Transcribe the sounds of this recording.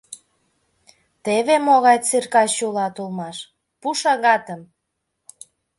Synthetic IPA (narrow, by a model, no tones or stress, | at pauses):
t̪eβemoɣɑjt͡sirkɑɕulɑt̪ulˠmɑʃ | puʃɑɣɑt̪əm